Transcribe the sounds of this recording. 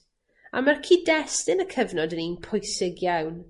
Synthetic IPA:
a̰markʰiːdɛstɪnəkʰəvnɔdəninpʰʊjsɪɡjawn

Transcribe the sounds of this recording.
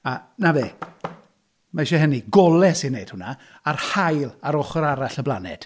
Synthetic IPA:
anaveː | maʃɛɦəniɡɔlˠɛsinːejd̥hʊnaː | rhajlˠaɾɔχɔɾaɾaɬəblˠa̰nɛ̰d̥

